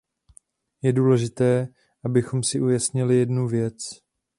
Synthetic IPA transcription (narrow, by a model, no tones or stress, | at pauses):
jɛduːlɛʒɪt̪ɛː | ʔabɪxo̞msɪʔujasɲɪlɪjɛdnuvjɛt͡s